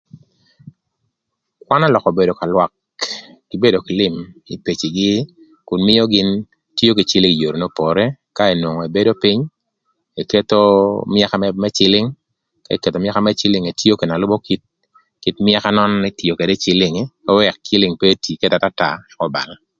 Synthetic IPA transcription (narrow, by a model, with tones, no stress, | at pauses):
kwa˦na˦lɔ˨kɔ˨be˨do˨ka˨lwa˨kː | i˨be˦do˨kɪ˨lɪ˦mḭ˨pe˨t͡ʃi˨ɡɪ˦ | kʊ˨nmɪ˦o˦ɡɪ˦n | to˦ki˨t͡ʃɪ˦lɪ˦ŋ˨jo˨ɾo˨no˦po˨ɾe˦ka˦e˨nwo˨ŋɔ˨e˨be˦do˦pɪ˦ɲ | e˨te˦t̪o˦mja˦ka˦mɛmɛ˦t͡ʃɪ˦lɪ˦ŋ | ka˦˨ke˨t̪o˨mja˦ka˦mɛ˦t͡ʃɪ˦lɪ˦ŋe˨tjo˦ke˨na˨lʊ˦bo˦ki˦t̚ | ki˦tmja˦ka˦nɔ˦nnɛ˦tjo˨ke˨dɛ˦t͡ʃɪ˦lɪ˦ŋkɛ˦wɛ˨k̚t͡ʃɪ˦lɪ˦ŋpe˦ti˨ke˦ta˨ta˦ta˨ɛ˨kɔ˦ba̰˨ŋa˨